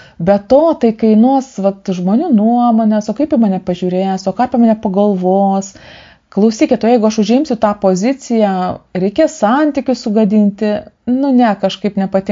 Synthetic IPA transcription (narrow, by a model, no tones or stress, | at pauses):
bʲɛt̪oːt̪ɐɪkɐɪnuɔsʋɐt̪ʒmoːnʲuːnuɔmoːnʲɛsoːkɐɪpjɪmɑːnʲɛpɐʒʲuːɾʲeːjsoːkɑːpʲɛmɐːnʲɛpɐɡɐlˠʋoːs | klˠɐʊsʲiːkʲɛt̪oːjɛɪɡʊɐʃʊʒʲɪmʲsʲʊt̪ɑːpoːzʲɪt͡s̪ʲɪjæɾʲɛɪkʲeːssɑnʲt̪ʲɪkʲʊssʊɡɐd̪ʲɪnʲt̪ʲɪnʊnʲɛkɐʃkɐɪpnʲɛpɐt̪ʲɪ